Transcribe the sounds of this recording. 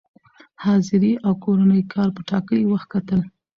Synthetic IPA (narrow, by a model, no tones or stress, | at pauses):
hɑzɪɾiʔawkoɾanəjkʰɑɾpəʈɑkəlwaxt̪̚kat̪əl